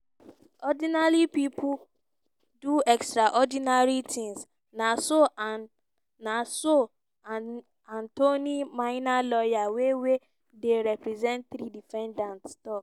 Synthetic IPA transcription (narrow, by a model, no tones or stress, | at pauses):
ɔdinalipipʰu | duɛkstɾaʔɔdinaɹitʰĩŋs | naso | naso | ãntonimaɪnalɔjawewe | deɾɛpɾɛzɛ̃nt̚θɾidifɛ̃ndãntstɔk